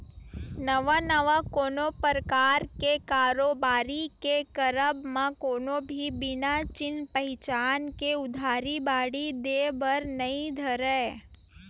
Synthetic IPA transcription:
nəʋanəʋakoːnopəɾəkaɾkekaɾobaɾikekəɾəbmãkonobʱibɪnat͡ʃɪnpəɦɪt͡ʃankeʊd̪ʱaɾibaɽid̪ebəɾnəɦĩd̪ʱəɾe

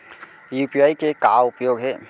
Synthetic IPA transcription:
juːpijaːikekaːʊpjoːɡɦɛː

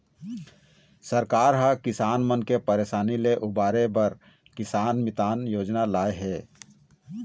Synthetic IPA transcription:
səɾkaːɾɦəkɪsaːnmənkepəɾeːʃaːnileʔʊbaːɾebəɾ | kɪsaːnmɪt̪aːnjoːd͡ʒnalaːeɦɛː

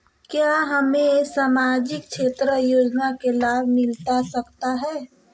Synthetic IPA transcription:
kjaːɦɐmẽsaːmaːd͡ʒɪk̚t͡ʃʃʰeːt̪ɾəjoːd͡ʒnakelaːbmɪlt̪asɐkt̪aɦɛː

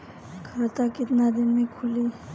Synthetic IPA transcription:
kʰat̪akɪt̪nad̪ɪnmẽkʰʊli

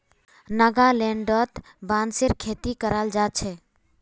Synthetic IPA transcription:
nəɡalẽɳɖət̪ | banseɾkʰet̪ikəɾald͡ʒat͡ʃʰɛ

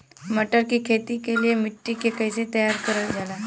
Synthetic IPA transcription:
m̤əʈəɾkiːkʰet̪iːkeliemiʈːikekəjset̪əjaɾkəɾət̪d͡zala

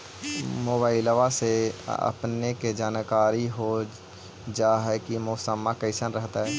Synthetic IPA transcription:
moːbaːɪləʋaseə̰pneked͡ʒaːnkaːɾiɦo | d͡ʒaɦɛkimʊːsəmːakəɪsənɾəɦt̪aɦɛː

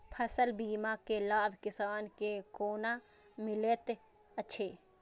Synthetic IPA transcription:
pʰəsəlbiːmakelaːbʱkɪsaːnkekoːna | mɪleːt̪ | əːʃʰeː

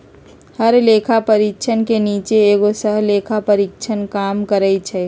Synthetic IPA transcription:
həɾlekʰapəɾikt͡ʃʰənkeniːt͡ʃeːɡosəɦleːkʰapəɾik̚t͡ʃʰənkaːmkəɾɛt͡ʃʰɛ

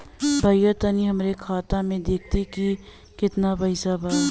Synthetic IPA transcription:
bʱɐjət̪əniɦɐmɾekʰaːt̪amẽd̪eːk̚ʰt̪iki | kɪt̪nabɐɪsabaː

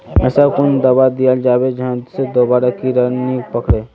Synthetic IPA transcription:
ɛːsakʊnd̪əbad̪ijəld͡ʒaːbed͡ʒãsed̪oːbaːɾakiɾənipəkɽeː

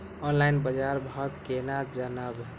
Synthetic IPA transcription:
ɔnlajnbəd͡ʒaɾbʱəɡkenad͡ʒənab

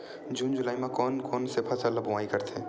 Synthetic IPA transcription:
d͡ʒuːnd͡ʒulaːimẽkɔːnkɔːnsepʰasələbuʋaːikəɾt̪ʰẽ

